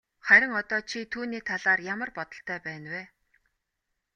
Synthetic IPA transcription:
χæɾʲɪ̆ŋɔt̪ɔːt͡ɕʰit̪ʰuːniːt̪ʰaɮaːrjamə̆rpɔt̪ɞ̆ɬt̪ʰœːpæːnweː

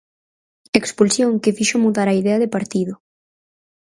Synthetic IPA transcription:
ekspulsjoŋkɪfiʃomuðaɾɐiðɛɐðɪpaɾt̪iðʊ

